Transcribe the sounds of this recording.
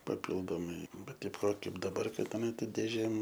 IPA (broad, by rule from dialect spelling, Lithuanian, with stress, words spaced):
pɐˈpʲɪlˠdoːmɐɪ ˈbʲɛt ˈtɐɪp ˈʋɐ ˈkɐɪp dɐˈbɐr ˈkɐt ɐˈnɐ ˈtɐɪp dʲeːˈʒʲeːm